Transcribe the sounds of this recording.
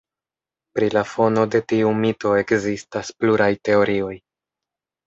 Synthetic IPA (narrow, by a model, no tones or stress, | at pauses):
pɾilafo̞no̞de̞tiumito̞e̞kzistaspluɾajte̞o̞ɾio̞j